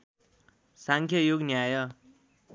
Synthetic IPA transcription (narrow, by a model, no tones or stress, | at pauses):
saŋkʰjʌjoɡnjajʌ